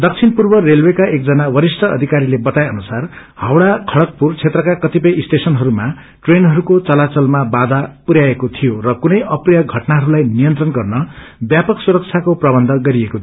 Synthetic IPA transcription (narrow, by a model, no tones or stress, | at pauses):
d̪ʌk̚t͡sʰinpurbʌrelwekaʔek̚d͡zʌnawʌɾisʈʰʌʌ̰d̪ʱikaɾilebʌt̪ajʌnusar | hawɽakʰʌɽʌk̚purt͡sʰet̪rʌkakʌt̪ipʌjisʈ̪esʌnɦʌɾuma | ʈrenɦʌɾukot͡sʌlat͡sʌlmabad̪ʱapuɾjaekot̪ʰijorʌkunʌjʌprijaɡʱʌʈnaɦʌɾulajnijʌnt̪rʌnɡʌrnʌbjapʌksuɾʌk̚t͡sʰjakoprʌbʌnd̪ʱʌɡʌɾieko